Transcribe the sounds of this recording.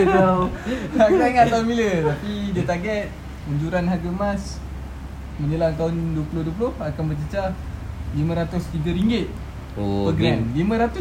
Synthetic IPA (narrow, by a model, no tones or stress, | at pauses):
akaŋat̪aunbilət̪apidiət̪aɡɛt̪̚ | uɲd͡ʒuɾanɦaɡəmas | mənəlant̪̬aʊnduəpuloduəp̬ulʊhakanbərt͡ʃət͡ʃalimə̃ɾat̪ʊst̪iɡaɾiŋɡɪt̪̚ | pəɡɾɛmlimə̃ɾat̪ʊ